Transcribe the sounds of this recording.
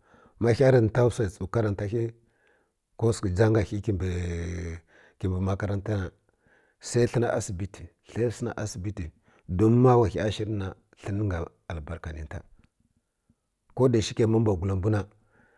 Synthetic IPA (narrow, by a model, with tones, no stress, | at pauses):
ma˦xʲa˦ɾi˨n˨ta˦u˦sa˨t͡su˨ka˦ɾa˨nta˦xi˦ | ko˦ski˨d͡ʒa˦ŋɡa˨xi˦ki˨ | ki˨mbi˨ma˦ka˦ɾa˦nta˦na˨ | sa˦i˦ɬi˦na˨ʔa̰˦si˨bi˦ti˨ | ɬa˦sə˦na̰˨ʔa̰˦si˨bi˦ti˨ | do˦mːa˦wa˨xi˨a˦ʃi˦ɾna˨ | ɬə˦n˦ŋɡa˨ | a˨lba˨ɾka˨ni˨nta̰˨ | ko˦da˨ʃi˦ke˨ma˦m˦ba˨ɡu˨la˨mbu˦na˨